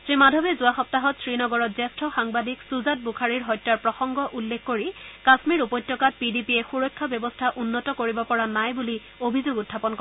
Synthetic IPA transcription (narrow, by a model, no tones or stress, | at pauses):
sɹimadʱɔbɛzʊaxɔp̚taɦɔtsɹinɔɡɔɹɔtzɛstʰɔxaŋbadiksuzat̚bukʰaɹiɹɦɔjtːaɹpɹɔxɔŋɡɔʔulːekːoɹikasmiɹupɔjtːjɔkat̚pidipiɛxuɹɔjkʰːabjɔbɔstʰaʔunːɔtɔkoɹibɔpɔɹanajbuli | obʱizoɡutʰːapɔnkɔ